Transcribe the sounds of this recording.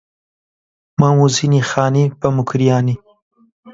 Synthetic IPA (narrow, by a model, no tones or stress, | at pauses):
mãwuzinixɑːnipəmʊkɾijɑːni